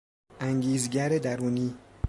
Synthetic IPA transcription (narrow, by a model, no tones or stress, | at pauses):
ʔæŋɟiːzɟæɾed̪æɾuːniː